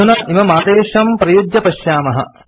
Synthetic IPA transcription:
unɐʔimɐmaːd̪eːʂɐmpɾɐjod͡ʒjɐpɐʃjaːmɐɦɐ̰

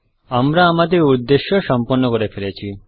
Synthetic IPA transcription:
amɾaːmat̪eud̪ːeʃjɔsɔmpɔɾnːɔkɔɾepʰeɾet͡ʃʰi

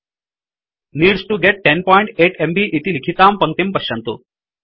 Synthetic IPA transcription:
niːɖsʈuɡeʈ̚ːɛnpɔiɳʈeʈembiʔit̪iːlikʰit̪ampəŋkt̪empəɕãnt̪o̰ː

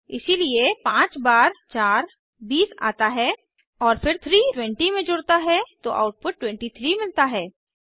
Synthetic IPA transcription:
ɪ̰siliepãːt͡ʃbaːɾt͡ʃaːɾ | biːsa̰ːt̪aɦɛː | ɔːɾfɪɾt̪ʰɾiːʈwɛ̃ɳʈimẽd͡ʒʊɽt̪aɦɛt̪oʔa̰ːʊʈ̚pʊʈːwɛ̃ɳʈit̪ʰɾimɪlt̪aɦɛː

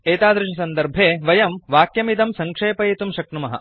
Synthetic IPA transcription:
eːt̪aːd̪ɾɐʃɐsɐnd̪ɐɾbʱeːʋɐjɐmʋaːkjɐmid̪ɐmsɐŋkʂeːpɐet̪umʃɐkɳumɐɦɐ̰

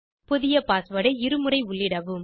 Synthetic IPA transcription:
pʊðɪjɐpaːsʋɐɽɐɪɪɾɯmɯɾɐɪʊɭːɪɽɐʋɯm

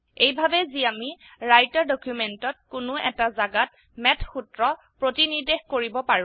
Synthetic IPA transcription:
ejbʱabɛziamiɹajtaɹdɔkjumentɔt̚kʊnʊɛ̰tazaɡat | mɛtʰxutɹɔ | pɹotinidexkoɹibɔpaɹũ

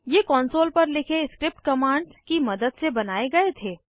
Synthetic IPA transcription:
jekɔːnsoːlpɐɾlɪkʰeskɾɪp̚ʈ̚kɐmaːɳɖskimɐd̪əd̪sebɐnaːeɡɐet̪ʰeː

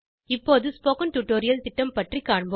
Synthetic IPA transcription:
ɪpːoːðɯspoːkɐnʈuʈːoːɾɪjɐlt̪ɪʈːɐmpɐʈrikːaːɳb

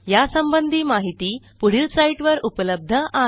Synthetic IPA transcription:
jasəmbənd̪ʱiːmaɦit̪iː | puɽ̤ilsaiʈʋəɾupələb̚d̪ʱəʔa

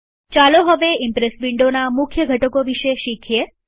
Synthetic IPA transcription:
t͡ʃaloɦəʋeɪmpɾesbiɳɖonamʊkʰjəɡʱəʈəkoʋiʃeʃikʰje

